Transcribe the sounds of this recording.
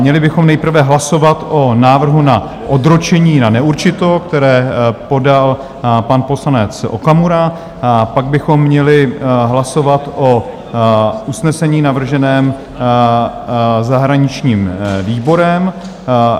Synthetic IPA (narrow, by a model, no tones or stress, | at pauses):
ɲɛlɪbɪxo̞mnɛjpr̩vɛɦlaso̞vat̪ʔonaːvr̩ɦuna | ʔod̪ɾot͡ʃɛɲiːnanɛuɾt͡ʃɪt̪o̞k̚t̪ɛɾɛːpo̞dal | panpo̞slanɛt͡sʔo̰kamuɾa | paɡ̚bɪxo̞mːɲɛlɪɦlaso̞vat̪ʔo | ʔusnɛsɛɲiːnavr̩ʒɛnɛːm | zaɦɾaɲɪt͡ʃɲiːmviːbo̞ɾɛm